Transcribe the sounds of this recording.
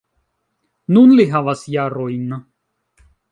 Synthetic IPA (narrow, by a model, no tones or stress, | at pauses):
nunliɦavasjaːɾojn